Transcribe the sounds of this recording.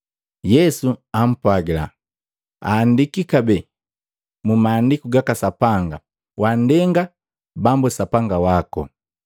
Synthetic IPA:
jɛsuam̩pwaɡila̰ | a̰ːndikikabɛ | mumaːndikuɡakasapaŋɡa̰ | wandɛŋɡa | bambusapaŋɡawakɔ̰

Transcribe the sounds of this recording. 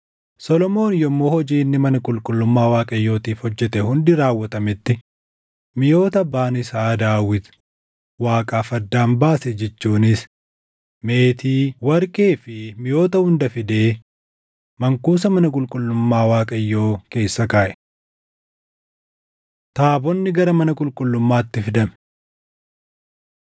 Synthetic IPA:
sɔlɔmo̞ːnjɔmːo̞ːhɔd͡ʒiːnːɪmɐnɐkʼʊlkʼʊlːʊmːaːwaːkʼɐjːo̞ːt̪iːfhɔd͡ʒːɛt̪ɛhʊnd̪ɪɾaːwːɐt̪ɐmɪt̪ːɪ | mɪjo̞ːt̪ɐbaːnɪsaːd̪aːwɪt̪ | waːkʼaːfɐd̪ːaːmbaːsɛd͡ʒɛt͡ʃːuːnɪs | me̞ːt̪iːwɐɾkʼeːfɪmɪjo̞ːt̪ɐhʊnd̪ɐfɪd̪e̞ː | mɐŋkuːs̬ɐmɐnɐkʼʊlkʼʊlːʊmːaːwaːkʼɐjːo̞ːke̞ːsːɐkaːʔɛ̥ | t̪aːbɔnːɪɡɐɾɐmɐnɐkʼʊlkʼʊlːʊmːaːt̪ːɪfɪd̪ɐm

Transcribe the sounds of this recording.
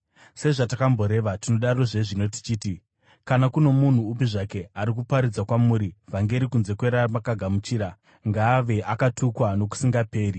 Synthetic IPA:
se̞ʐatakambo̞ɾe̞ʋatino̞ɗaɾo̞ʐe̞ʐino̞ti̥t͡ʃiːti | kanakuno̞mun̤uːp̬iʐake̞aɾikupaɾid͡zakwamuɾivaŋɡe̞ɾikunze̞kwe̞ɾamakaɡʱamut͡ʃiːɾa | ŋɡaːʋe̞ʔakatʰukwano̞k̬u̥siŋɡape̞ːri

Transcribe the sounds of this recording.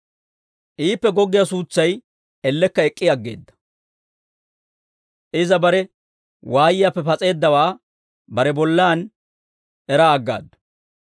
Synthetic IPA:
ʔiːpːɛɡɔɡːɪjasuːt͡sːɐj | ɛlːɛkːɐɛkʼːɪjɐɡːḛːd̪ːɐ̥ | ʔɪzɐbɐɾɛ | wʔaːjɪjaːpːɛpɐt͡sʼe̞ːd̪ːɐwaː | bɐɾɛbɔlːaːn | ɛɾaːɡːa̰ːd̪ːɐ̥

